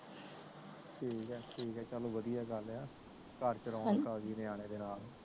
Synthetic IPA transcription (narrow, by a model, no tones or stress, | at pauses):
ʈʰiːkɛːʈʰiːkɛːt͡ʃəlõːʋəd̪ijaːɡəlaː | kəɾt͡ʃəɾɔ̃ːkaːziːneːaːɽ̃eːd̪eːnaːl